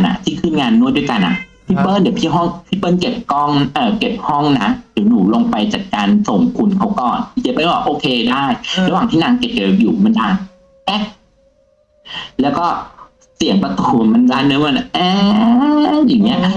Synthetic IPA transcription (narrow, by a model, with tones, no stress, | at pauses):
nʔa̰˨˩t̪ʰiː˥˩kʰɯː˥˩nŋaː˧nːu˥˩˨jdu˥˩jka˧nʔa̰˨˩ʔpʰiː˦˥˩pɤː˥˨ndi˩˦pʰiː˥˩ɦɔ˥˩ŋpʰiː˥˩pɤː˥˩˨nke˨˩p̚kɔ˥˩ŋʔɤː˨˩ke˨˩p̚hɔ˥˩ŋna˦˥di˨˩˦nuː˨˩˦lo˧ŋpa˧jt͡ɕa̰ː˨˩k̚kːaː˧nso˨˩˦ŋkʰu˧nkʰa˦˥wkɔː˨˩n˩ki˨˩p̚ːaː˧˥˩wbɔː˨˩ʔoː˧kʰeː˧daː˥˩jɾwaː˨˩ŋt̪ʰiː˥˩naː˨˩˦ŋke˨˩p̚ka˨˩˨juː˨˩ma˧˦ndaː˧˩n | ʔɛ˦˩ | lɛː˦˥wkɔː˥˩ | si˨˩˦əŋpa˧t̪u˨˩ma˧nlaː˦˥nːɯ˧˦˥m˧n˨˩ʔaː˧ | jaː˨˩ŋːi˦˥ɐ